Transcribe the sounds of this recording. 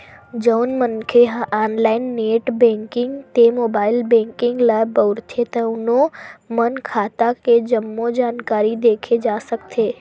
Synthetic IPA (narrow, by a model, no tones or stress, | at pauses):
d͡ʒɐːnmənkʰeɦaʔaːnlaːɪnːeːʈbɛ̃ːŋkɪ̃ŋɡt̪emoːbaːɪlbẽːŋkɪ̃ŋɡlaːbəʊɾt̪ʰet̪ɐʊnõmɐnkʰaːt̪aked͡ʒɐmːod͡ʒaːnkaːɾid̪eːkʰed͡ʒaːsɐkt̪ʰeː